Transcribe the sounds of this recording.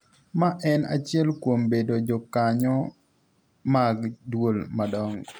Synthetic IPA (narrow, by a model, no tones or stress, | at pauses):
maʔɛna̰t͡ʃɪɛlkwombedod͡ʒɔkaɲɔ | maɡdwolmadɔŋ